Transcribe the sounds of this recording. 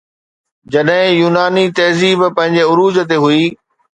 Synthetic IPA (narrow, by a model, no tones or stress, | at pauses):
d͡ʑɐɗɦɪ̃juːnaːnit̪ɐɦziːbpɐ̃ɦɪ̃ɲd͡ʑeʊɾuːzt̪eɦuiː